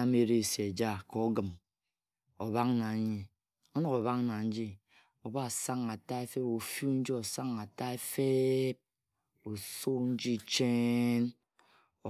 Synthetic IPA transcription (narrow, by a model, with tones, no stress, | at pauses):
a˦me˦ɾe˦˨se˨d͡ʒa˦kɔ˨o˦ɡɨ˨m | o˨βa˦ŋ˦na˨˦ɲi˨ | o˦nɔ˨ko˨βa˦ŋna˨n̩˦d͡ʒi˦ | o˨ba˦˨sa˦ŋa˨ta˦e˦fe˦po˨fju˦n̩˦d͡ʒi˦o˨sa˦ŋa˨ta˦e˦fe˦p̚ | o˨so˦n̩˦d͡ʒi˦t͡ʃe˦n˨